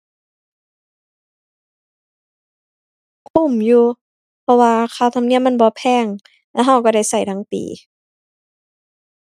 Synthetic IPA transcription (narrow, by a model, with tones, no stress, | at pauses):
kʰu˧˩˨mjuː˧ | pʰɔ˧waː˧kʰaː˧˩˨t̪ʰa˧mni˧˩əmːa˧˥˨bɔː˧˦pʰɛː˧˩˨ŋ | lɛː˧˥˩ɦa˧˩wkɔː˧˩ɾa˧˩jsa˧˩jt̪ʰa˧˥˨ŋp̪ḭː˨˦